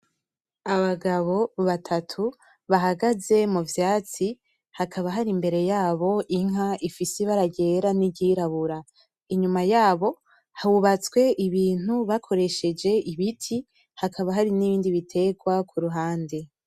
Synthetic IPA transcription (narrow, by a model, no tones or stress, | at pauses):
aβaɡaβo̞βatʰatʰu | βaɦaɡaze̞muvjaːt͡si | hakʰaβaɦaɾimbe̞ɾe̞jaːβo̞ʔiŋ̥ɦaʔifiseβaɾaɟe̞ːɾaniɟiːɾaβuɾa | iɲumajaːβo̞ | hauβat͡swe̞ʔiβiːn̥huβakʰo̞ɾe̞ʃe̞d͡ʒe̞iβitʰi | hakʰaβaɦaɾiniβiːndiβitʰe̞ɡwakʰuɾuɦaːnde̞